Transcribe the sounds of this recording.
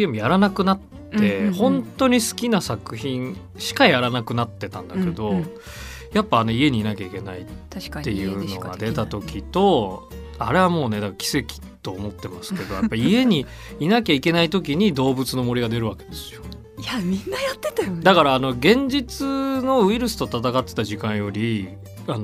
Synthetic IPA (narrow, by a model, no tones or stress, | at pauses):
emjaɾanakɯ̟nat̪ːe̞hõ̞nt̪o̞ɲ̟isɨ̥kʲinasakɯ̟çĩn | ɕi̥kajaɾanakɯ̟nat̪ːe̞t̪ã̰nd̪ake̞d̪o̞ | japːaːno̞ie̞ɲ̟iːnakʲaike̞naiːe̞jɯ̟ːno̞ɡa̰d̪e̞t̪at̪o̞kʲit̪o̞ | aɾe̞βamo̞ːne̞d̪akaakʲi̥se̞kʲi̥t̪o̞ːmo̞t̪ːe̞masɨ̥ke̞d̪o̞japːaiie̞ɲ̟iː | nakʲaike̞nait̪o̞k̬ʲiɲ̟id̪o̞ːbɯ̟t͡sɨno̞mo̞ɾʲiɡad̪e̞ɾɯ̟βaked̪e̞sɨ̥jo̞ | ainːajat̪ːet̪ad̪akaɾaːno̞ɡẽ̞ɲ̟d͡ʑit͡sɨno̞ɯ̟iɾɯ̟sɨ̥t̪o̞t̪at̪akat̪ːet̪aʑikãɰ̃jo̞ɾʲi | ano